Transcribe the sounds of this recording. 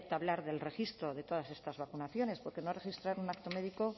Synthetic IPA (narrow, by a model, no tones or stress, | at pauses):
t̪aβlaɾðe̞lre̞xist̪ɾo̞ðe̞t̪o̞ð̞ase̞st̪azβakunaθjo̞ne̞spoɾke̞nore̞xist̪ɾaɾunakt̪o̞me̞ðiko̞